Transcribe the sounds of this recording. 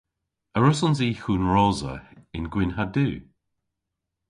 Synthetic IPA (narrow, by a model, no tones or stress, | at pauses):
əɹʊsɔnziːxuːnɹɔːzə̰ɪnɡwɪnɦaduː